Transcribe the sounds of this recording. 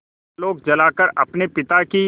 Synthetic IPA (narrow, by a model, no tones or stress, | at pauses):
loːɡ̚d͡ʒɐlaːkəɾɐ̰pnepɪt̪aki